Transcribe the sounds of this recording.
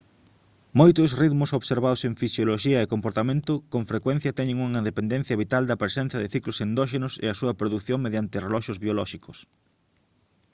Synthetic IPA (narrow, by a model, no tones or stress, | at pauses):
mojt̪ʊsriðmʊsoβseɾβaðoseŋfisjoloʃiɐekompoɾt̪amẽnt̪ʊkoŋfɾekwɛn̟θjɐt̪ɛɲɪ̃ŋuŋaiðepend̪ẽn̟θjɐβit̪ald̪ɐpɾesẽn̟θɐðɪθiklʊsend̪ɔʃ̬enʊsḛɐsuɐpɾoðukθjoŋmeðjant̪ɪrelɔʃʊzβiolɔʃikʊs